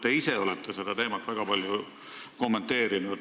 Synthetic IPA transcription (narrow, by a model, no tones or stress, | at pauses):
t̪eise̞o̞lɛt̪ːˑese̞d̪̥ɑt̪e̞ːmɑt̪ːˑvæɡ̥ɑpɑlʲju | ko̞mːe̞nt̪ːˑe̞ːɾinud̪